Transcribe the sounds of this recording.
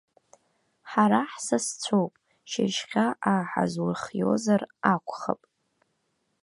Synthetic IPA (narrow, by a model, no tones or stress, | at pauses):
ħaɾaħsast͡sʷʰowpʼ | ʃɪʃχʲaʔaħa̰zwʊrχjo̞̰zarakʷʰʼχa̰pʼ